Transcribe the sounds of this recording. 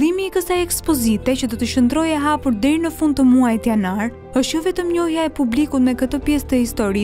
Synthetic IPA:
imiːkəsajɛkspɔzit̪ɛcəd̪ɔt̪əʃənd̪ɾɔjɛɦapuɾd̪ɛɾinəfund̪t̪əmuajt̪janaɾ | əʃt̪jɔvɛt̪əmɲɔɦjaɛpublikut̪mɛkət̪əpjɛst̪əhist̪ɔɾi

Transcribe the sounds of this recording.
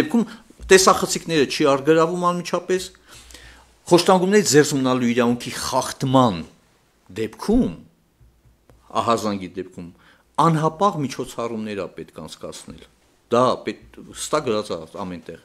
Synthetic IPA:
ɛp̚kʰum | t̪ɛsɑχət͡sʰikʰnɛɾət͡ʃʰiɑɾɡəɾɑvumɑnmit͡ʃʰɑpɛs | χɔʃt̪ɑŋɡumnɛɾit͡sʰd͡zɛrzmənɑluiɾɑvuŋkʰiχɑχt̪mɑn | d̪ɛpkʰum | ɑ̰ɦɑzɑŋɡid̪ɛp̚kʰum | ɑnɦɑpɑʁmit͡ʃʰɔt͡sʰɑrumnɛɾɑ̰pɛt̪kʰɑ̰nt͡sʰkɑ̰t͡sʰnɛ̰l | d̪̥ɑpɛt̪həst̪ɑkɡəɾɑt͡sɑ̰ɑ̰mɛnt̪ɛʁ

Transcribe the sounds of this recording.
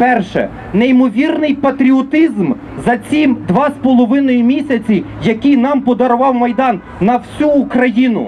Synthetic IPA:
pɛrʃɛ̰ | neimɔʋʲirnɪjpɐt̪ɾʲiɔt̪ɪzm | zɐt͡sʲimd̪ʋɑspɔlˠɔʋɪnɔjʊmʲisʲɐt͡sʲijɐkʲijnɑmpɔd̪ɐɾʊʋɑwmɐjd̪ɑnːɐwsʲuːkɾɐjinʊ̰

